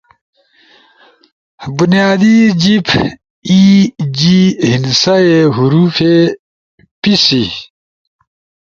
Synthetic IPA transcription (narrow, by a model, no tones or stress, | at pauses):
bunijaːd̪id͡ʑipʰ | id͡ʑihinsaeɦuɾuːfe | pisi